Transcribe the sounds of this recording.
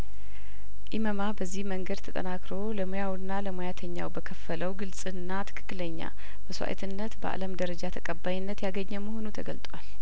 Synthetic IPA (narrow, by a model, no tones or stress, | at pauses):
ʔiməmabəzːihməŋɡəd̪t̪ʰət̪ʼə̰nakɾo̞ləmojawnːaləmojat̪ʰəɲːa̰wbəkʰəfːələwɡɨlsʼɨnːat̪ʰɨ̥kʰɨ̥kːɨləɲːa̰ | məswa̰ʔḛt̪ʰɨnːət̪bəʔa̰ləmd̪əɾəd͡ʒat̪ʰəkʼəbːajnːət̪jaɡəɲːɛməho̞nut̪ʰəɡəlt̪ʼwal